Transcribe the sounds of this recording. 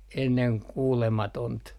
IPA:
enːeŋ kuːlemɑtont

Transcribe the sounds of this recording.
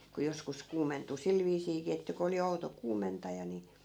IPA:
ku joskus kuːmentu sil ʋiːsiːkiː etːæ ku oli outo kuːmentɑjɑ ni

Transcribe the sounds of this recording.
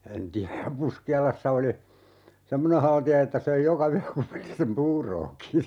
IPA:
en tiæj jɑ puskiɑlɑsːɑ oli semːone hɑltiɑ etːæ søi jokɑ yæ kupilːisem puːroːki

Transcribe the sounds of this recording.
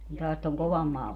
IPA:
kun tɑːs toŋ koʋɑm mɑː

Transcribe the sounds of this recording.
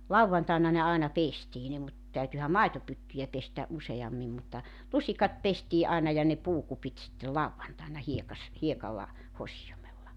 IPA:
lɑuwʋɑntɑˑenɑ ne ɑˑinɑ pestiː ne mut tæytyhæ mɑitopytːyjæ pestæ ʔuseɑmːim mutːɑ lusikɑt pestiːʔ ʔɑinɑ jɑ ne puːkupit sitːel lɑʋːɑntɑˑenɑ hiekɑs hiekɑlːɑ hosijomelːɑ

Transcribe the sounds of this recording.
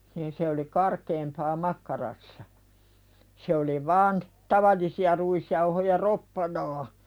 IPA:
niːn se oli kɑrkeːmpɑː mɑkːɑrɑsːɑ se oli ʋɑːn tɑʋɑlːisiɑ ruisjɑuhojɑ ropːɑnɑː

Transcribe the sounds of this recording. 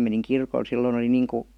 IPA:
meniŋ kirkol silːoĭn oli niːŋ ku

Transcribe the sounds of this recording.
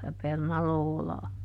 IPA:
jɑ pernɑloːlɑː

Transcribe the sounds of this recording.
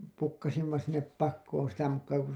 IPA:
pukːɑsimːɑ sinːep pɑkːoːn sitæ mukːɑː ko

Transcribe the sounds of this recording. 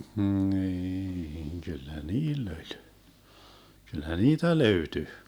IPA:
hniːŋ kylːæ niːlː olʲ kylːæ niːtæ løyty

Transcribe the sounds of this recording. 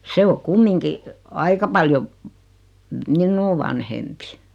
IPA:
se o kumːiŋki ɑikɑ pɑljo minːuː ʋɑnhempi

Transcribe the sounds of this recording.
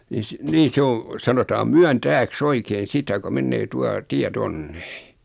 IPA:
ni s niː sĕ oː sɑnotɑːm myæntæːks oikein̞ sitæ ko menːeː tuɑ tiæ tonːe

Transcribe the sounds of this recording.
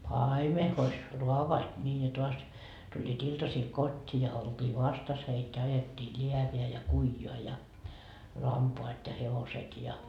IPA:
pɑime hois ruɑʋoɑt nʲiː jɑ toɑs tulʲːiːt iltɑsiːl kotʲːiː jɑ oltʲiː ʋɑstɑs heit jɑ ɑjetːiː lʲiæʋeæ jɑ kuijoɑ jɑ lɑmpoɑt jɑ heʋoset jɑ

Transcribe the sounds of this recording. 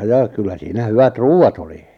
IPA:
jɑ kylːæ siːnæ hyʋæt ruːɑt oli

